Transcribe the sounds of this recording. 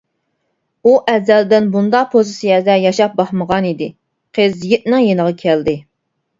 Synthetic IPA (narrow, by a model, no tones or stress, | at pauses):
uʔɛzɛld̪ɪnbund̪ɑqpʰozisijɛd̪ɛjɑʃɑp̚bɑχməʁɑnid̪ɪ | qʰəzjiʔ̚nɪŋjenəʁɑkʲʰɛld̪ɪ